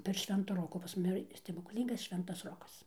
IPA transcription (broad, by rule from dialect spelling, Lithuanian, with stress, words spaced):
pʲɛr ˈʃʲʋʲɛntoː ˈroːkoː pɐs ˈmʊmʲɪ iːˈrɐ sʲtʲɛbʊklʲˈiːŋɡɐs ˈʃʲʋʲɛntɐs ˈroːkɐs